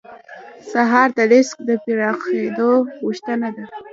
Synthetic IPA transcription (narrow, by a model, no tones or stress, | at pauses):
saɦɑɾd̪aɾɪsk̚d̪əpeɾɑxed̪oɣuʃt̪ənad̪a